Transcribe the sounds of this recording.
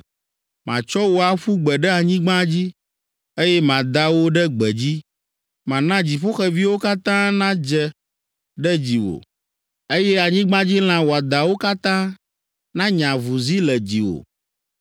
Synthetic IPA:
mã̰˨t͡ʃɔ˦wo˦a˨ɸu˦ɡ͡bɛ˨ɖɛ˦a˨ɲĩ˦ɡ͡bã˦d͡ʑi˦ | e˦jɛ˦mã˨d̪a˦wo˦ɖɛ˦ɡ͡bɛ˨d͡ʑi˦ | mã˨nã˦d͡ʑi˨ɸo˦xɛ˨vi˦wo˦ka˦t̪ã˦nã˦d͡ʒɛ˦ | ɖɛ˦d͡ʑi˨wo̰˨ | e˦jɛ˦a˨ɲĩ˦ɡ͡bã˦d͡ʑi˦l̃ã˦wo˨a˨d̪a˨wo˦ka˦t̪ã˦ | nã˦ɲã˨vu˨zi˦lɛ˨d͡ʑi˨wo̰˨

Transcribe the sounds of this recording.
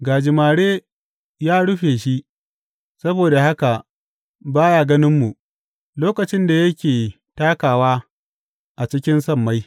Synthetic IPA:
ɡaː˨d͡ʒɪ˨maː˨ɽeː˦ | jaː˦ɽʊ˦ɸeː˨ʃi˦ʔ | sɐ˦boː˨da˨ha˦ka˨ | baː˦jaː˨ɡɐ˦nɪ˦mːu˨ | loː˦kɐ˨t͡ʃɪ˦nda˨jɐ˦kʲeː˨ | taː˦kaː˨waː˦ | ʔa˨t͡ʃɪ˦kʲɪ˦nsɐ˦˨mːa˦j

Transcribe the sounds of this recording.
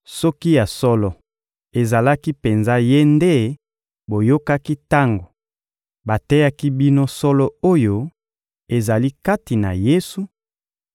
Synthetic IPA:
sɔ˦ki˦ja˨sɔ˦lɔ˨ | e˨za˨la˦ki˦pe˨nza˦je˦nde˦ | bo˨jo˦ka˦ki˦ta˦ŋɡo˨ | ba˨tɛ˦ja˦ki˦bi˦no˦sɔ˦lɔ˦o˦jo˦ | e˨za˨li˦ka˦ti˨na̰˨je˦su˨

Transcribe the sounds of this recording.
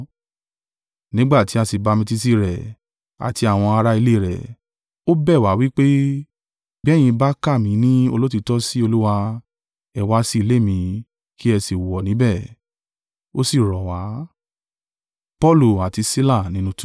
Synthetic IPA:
nĩ˦ɡ͡ba˦˨ti˨˦a˧si˨ba˧mĩ˧ti˦˧s̬i˦˨ɾɛ˨ | a̰˨ti˧a˨w̃ɔ̃˧a˧ɾa˦i˧le˦˨ɾɛ̰˨ | o˦bɛ˦˨wa˨˦wi˦k͡pe˦ | bɛ˦˨j̃ĩ˧ba˦ka˦˨mĩ˨˦nĩ˦o˧lo˦t̬i˧tɔ˦si˦o˧lu˦wa˧ | ɛ˧wa˧˦si˦˧le˦˨mĩ˧ | ki˦ɛ˧si˨wɔ˨nĩ˨˦bɛ˦˨ | o˦si˨ɾɔ˨wa˨˦ | pɔ˦˨lu˦˨a˨ti˧si˦la˦˨nĩ˨˦nũ˧t

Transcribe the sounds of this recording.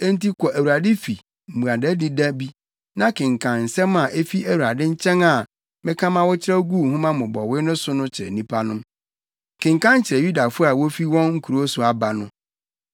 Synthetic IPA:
e˦n˦ti˦kʰɔ˨ʔæ˨wu˨ɾa˨dɪ˦fi˨ | m̩˨mũ˨a˨dɛ˦di˦da˦bi˦ | nã˦kʰɪ̃˨ŋkʰã˨nn̩˨sɛ˦mã˨ʔe˦fi˦æ˨wu˨ɾa˨dɪ˦ɲ̩˦t͡ɕʰɛ̃˦ŋa˨ | mɪ̃˦kʰã˦mã˦wɔ˦t͡ɕʰɪ˦ɾɛ˦ɡu˦˨hũ˦mã˦mʊ̃˨bɔ˨wɪ˦nʊ̃˦sʊ˦nʊ̃˦t͡ɕʰɪ˨ɾɛ̰˨nĩ˦pʰa˦nʊ̃˦m | kʰɪ̃˨ŋkã˦n˦t͡ɕʰɪ˨ɾɛ˨ju˦da˨fʊ˦ɔ˦a˨wo˦fi˦wɔ̃˦nŋ̩˦kʰu˨ɾo˦sʊ˦a˨ba˨nʊ̃˦

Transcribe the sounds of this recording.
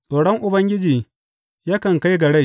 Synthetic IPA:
sʼoː˨ɽɔ˦ŋʔʊ˨bɐ˦ŋɡʲɪ˦d͡ʒiː˨ | ja˦kɐ˨ŋka˦jɡɐ˨ɽe˦˨

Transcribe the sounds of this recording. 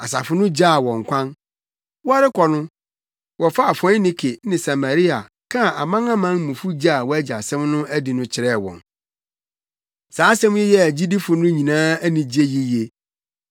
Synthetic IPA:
a˨sa̰˨fʊ˦nʊ̃˦d͡ʑa˦˨wɔ̃˨ŋ˨kʷʰã˦n | wɔ˦a˦ɾɪ˦kʰɔ˨nʊ̃˦ | wɔ˨fa˦a˨fɔ̃˦nĩ˦kʰe˨nɪ̃˨sa˨ma˨ɾi˦a̰˨ | kʰã˦˨ʔa˨mã˦ŋã˦mã˦n˦mũ˨fu˦d͡ʑa˦a˨wɔ˦æ˦d͡ʑi˨a̰˨sɛ̃˦mnʊ̃˦æ˦di˨nʊ̃˦t͡ɕʰɪ˨ɾɛ˦˨wɔ̰̃˨n | saː˨˦sɛ̃˦m˦jɛ˦jɛ˦æ˨d͡ʑi˦di˦fʊ˨nʊ̃˦ɲĩ˨nãː˦æ˦nĩ˨d͡ʑi˦e˦ji˦je˦

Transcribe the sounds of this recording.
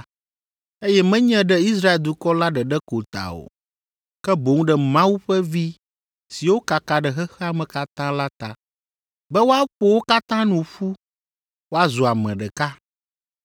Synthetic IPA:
e˦jɛ˦mɛ̃˦ɲɛ̃˦ɖɛ˦i˦s̬ɾa˦e˨ld̪u˨kɔ˦la˦ɖɛ˨ɖɛ˦ko˨t̪a̰˨o̰˨ | kɛ˦bo˨ŋũ˦ɖɛ˨mã˦wu˦ɸɛ˦vi˦ | si˨wo˦ka˨ka˨ɖɛ˨ɦɛ˦xɛ˦a˨mɛ̃˨ka˦t̪ã˦la˦t̪a̰˨ | bɛ˦wo˦a˦ɸo˦wo˦ka˦t̪ã˦nũ˨ɸu˦ | wo˦a˦zu˨a˨mɛ̃˨ɖɛ˨ka˦

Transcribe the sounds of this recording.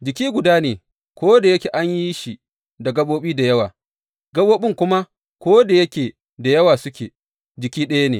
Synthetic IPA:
d͡ʒɪ˨kʲiː˦ɡʷʊ˨daː˦neː˨ | kʷoː˦da˨jɐ˦kʲeː˨ʔa˦ɲji˦ʃi˨ | da˨ɡɐ˦ɓoː˦ɓiː˦da˨jɐ˦waː˨ | ɡɐ˦ɓoː˦ɓɪ˦ŋkʷʊ˦ma˦ | kʷoː˦da˨jɐ˦kʲeː˨ | da˨jɐ˦waː˨sʊ˦kʲḛː˨ | d͡ʒɪ˨kʲiː˦ɗɐ˦ja˦nḛ˨

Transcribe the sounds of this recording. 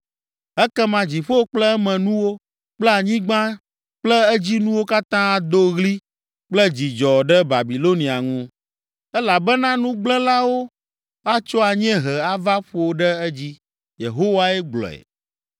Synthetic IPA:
ɛ˦kɛ˦mã˨d͡ʑi˨ɸo˦k͡plɛ˦ɛ˦mɛ̃˨nũ˦wo˦ | k͡plɛ˦a˨ɲĩ˦ɡ͡bã˦ | k͡plɛ˦ɛ˦d͡ʑi˦nũ˦wo˦ka˦t̪ã˦a˨d̪o˦ɣli˦ | k͡plɛ˦d͡ʑi˨d͡ʒɔ˨ɖɛ˦ba˨bi˨lo˦nĩ˨a˨ŋũ˦ | ɛ˦la˨bɛ˦nã˦nũ˦ɡ͡blɛ˦la˦wo˦ | a˦t͡ʃɔ˦a˨ɲ˦ɛ̃˦ɦɛ˨a˦va˦ɸo˨ɖɛ˦ɛ˦d͡ʑi˦ | jḛ˨ɦo˦wa˦ɛ˦ɡ͡blɔ̰˨ɛ̰˨

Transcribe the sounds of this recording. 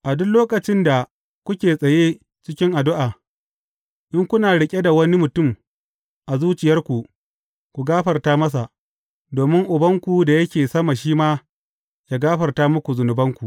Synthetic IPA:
ʔa˨dʊ˦nloː˦kɐ˨t͡ʃɪ˦nda˨ | kʷʊ˦kʲeː˨sʼɐ˨jeː˦ | t͡ʃɪ˦kʲɪ˦ŋʔa˨dʊ˦ʔaː˨ | ʔɪ˦ŋkʷʊ˦naː˨ɽɪ˨kʲʼe˦da˨wɐ˦ni˦mʊ˨tʊ˦˨m | ʔa˨zuː˦t͡ʃɪ˨jɐ˦rkʷu˨ʔ | kʷu˨ɡaː˦ɸɐ˨rtaː˦mɐ˦s̬a˨ʔ | doː˨mɪ˦ŋʔʊ˨bɐ˦ŋkʷu˨da˨jɐ˦kʲeː˨sɐ˦ma˨ʃiː˦maː˦ | jaː˦ɡaː˦ɸɐ˨rtaː˦mʊ˦kʷu˨zʊ˨nʊ˨bɐ˦ŋkʷu˨ʔ

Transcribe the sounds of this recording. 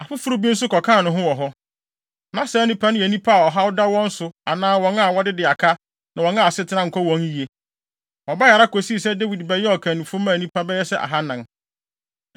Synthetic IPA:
a˨fʊ˦fʊ˦ɾʊ˦bi˦n̩˦sʊ˦kɔ˨kʰãː˦˨nʊ̃˨ɦʊ̃˦wɔ˨ɦɔ˦ | nã˨sɛː˨˦nĩ˦pʰa˦nʊ̃˦jɛ˨nĩ˦pʰa˦a˨ɔ˨ɦa˦ʊ˦da˦wɔ̃˦n̩˦sʊ˨a˨nãː˦wɔ̃˨˦na˦˨wɔ˦dɪ˦dɪ˨a˨kʰa˦ | nã˨wɔ̃˨na˦˨sɪ˦tʰɪ˦nã˦ŋ̩˨kʰɔ˦wɔ̃˨˦ŋi˦e˦ | ɔ˨ba˦ja˨ɾa˦kʰo˨si˦˨sɛ˦de˦wi˨dbɛ˦jɛ˦ɔ˨kʰã˨nũ˨fʊ̃˦mãː˦˨nĩ˦pʰa˦bɛ˦jɛ˦sɛ˦ʔa̰˨ɦa˦nã˨n

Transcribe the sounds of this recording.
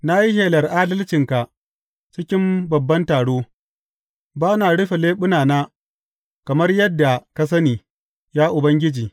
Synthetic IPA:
na˦ji˦heː˨lɐ˨rʔa˦dɐ˦lt͡ʃɪ˨ŋka˨ | t͡ʃɪ˦kʲɪ˦mbɐ˨bːɐ˦ntaː˨ɽoː˦ | baː˦naː˨ɽɪ˦ɸe˨leː˦ɓʊ˦naː˨naː˦ | kɐ˨mɐ˦rjɐ˦dːa˨ka˦s̬ɐ˦niː˨ | jaː˦ʔʊ˨bɐ˦ŋɡʲɪ˦d͡ʒiː˨

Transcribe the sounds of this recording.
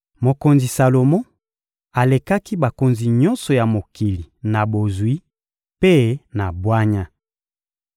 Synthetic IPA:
mo˨ko˨nzi˨sa˨lo˨mɔ˦ | a˨le˨ka˦ki˦ba˨ko˨nzi˨ɲɔ˦nsɔ˨ja˨mo˨ki˨li˨na˨bo˨zwi˦ | pe˦na˨bwa˦ɲa˦

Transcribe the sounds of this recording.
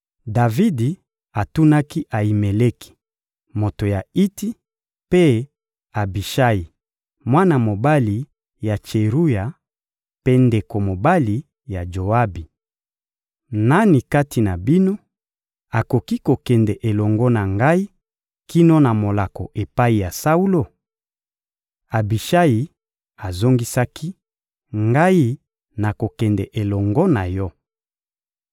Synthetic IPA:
da˨vi˦di˨ | a˨tu˦na˦ki˦ʔa˨i˨me˨le˦ki̥˨ | mo˨to˨ja˨i˦ti˦ | pe˦ | a˨bi˨ʃa˦ji˨ | mwa˦na˨mo˨ba˦li˨ | ja˨t͡ʃe˨ʁu˦ja˨ | pe˦nde˨ko˨mo˨ba˦li˨ | ja˨d͡ʒo˨a˦bi˨ | na˦ni˨ka˦ti˨na˨bi˦no˦ | a˨ko˨ki˦ko˨kɛ˨ndɛ˨ʔe˨lɔ˨ŋɡɔ˦na˨ŋɡa˦i˦ | ki˦no˦na˨mo˨la˨kɔ˨ʔe˨pa˦i˨ja˨sa˦u˦lo˦ | a˨bi˨ʃa˦ji˨ | a˨zo˦ŋɡi˦sa˦ki˦ | ŋɡa˦i˦ | na˨ko˨kɛ˨ndɛ˨ʔe˨lɔ˨ŋɡɔ˦na˨jɔ˦

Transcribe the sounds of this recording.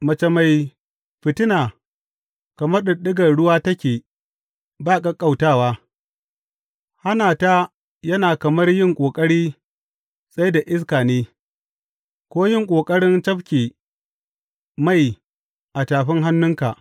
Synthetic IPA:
mɐ˦t͡ʃɐ˦ma˦j | ɸɪ˨tɪ˦naː˨ | kɐ˨mɐ˦rɗɪ˨ɗɪ˦ɡɐ˨rɽʊ˦waː˦tɐ˦kʲeː˨ | baː˦˨kɐ˦kʼa˦˨wtaː˦waː˦ | ha˦naː˨ta˦ | jɐ˦naː˨kɐ˨mɐ˦rjɪ˦˨ŋkʷʼoː˨kʼɐ˦ɽiː˦ | sʼa˦jda˨ʔɪ˦s̬kaː˨neː˦ | kʷoː˦jɪ˦ŋkʷʼoː˨kʼɐ˦ɽɪ˦nt͡ʃɐ˦ɸkʲeː˨ | ma˦˨j | ʔa˨taː˨ɸɪ˦ŋɦa˦nːʊ˦ŋka˨ʔ

